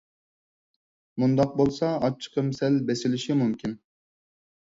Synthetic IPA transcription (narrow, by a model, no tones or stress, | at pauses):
mund̪ɑq̚bolˠsɑɑt͡ʃʰːi̥qʰəmsɛlbɛsɪlɪʃimumkʲʰin